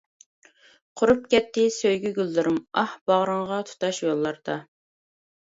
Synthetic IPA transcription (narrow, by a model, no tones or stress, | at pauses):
qʰʊɾup̚kʲɛt̪ːɪsøjɡʲyɡʲylːɪɾɪmɑhb̥ɑʁɾəŋʁɑt̪ʰu̥t̪ɑʃjolˠːɑɾd̪ɑ